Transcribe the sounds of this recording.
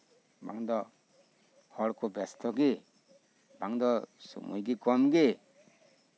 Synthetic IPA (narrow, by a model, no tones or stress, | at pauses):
ba̰ŋd̪ɔ | hɔɽkubɛst̪ʰɔɡi | baŋd̪ɔsṵmṵjɡikɔmɡe